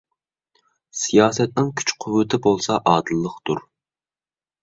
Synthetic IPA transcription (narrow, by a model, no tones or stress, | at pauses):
sijɑːsɛt̪̚nɪŋkʲʰy̥t͡ʃqʰʊwɨt̪ʰɪbolˠsɑʔɑːd̪ɨlˠːəqt̪uɾ